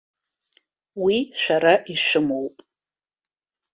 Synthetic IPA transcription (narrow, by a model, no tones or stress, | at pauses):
wiʃʷᶣaɾaʔiʂʷɨmowpʼ